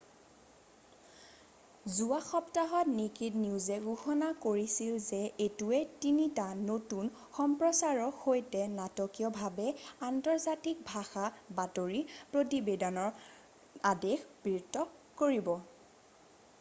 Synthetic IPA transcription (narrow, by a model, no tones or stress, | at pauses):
zuaxɔptaɦɔtnekidniuzɛɡuxɔnakoɹisilzɛʔetuɛtinitanotun | xɔmpɹɔsaɹɔhojtɛnatɔkijɔbʱabɛantɔɹzatik̚bʱaxabatoɹipɹotibedɔnɔɹ | adexb̥ɹiɹtːɔkoɹibɔ